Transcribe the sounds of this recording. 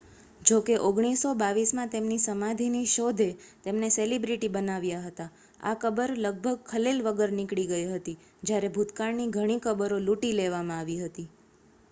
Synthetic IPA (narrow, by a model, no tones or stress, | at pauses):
d͡ʒokeʔoɡɽ̃isobaʋismãt̪emnisəmãd̪ʱiniʃod̪ʱet̪emneselibɾiʈibənaʋjaɦət̪a | a̰kəbəɾləɡ̚bʱəɡ̚kʰəlelʋəɡəɾnikɽiɡəiɦət̪i | d͡ʒjaɾebʱut̪kaɾniɡʱəɽ̃ikəbəɾoluʈileʋamãaʋiɦət̪i